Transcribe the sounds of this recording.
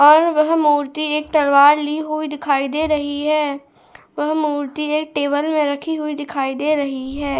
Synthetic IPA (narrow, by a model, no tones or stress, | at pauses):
ɔːɾʋɐɦmuːɾt̪ieːk̚t̪ɐlʋaːɾliːɦʊid̪ɪkʰaːid̪eːɾɐɦiɦɛː | ʋɐɦmuːɾt̪ieːk̚ʈeːbəlmẽɾɐkʰiɦʊid̪ɪkʰaːid̪eːɾɐɦiɦɛː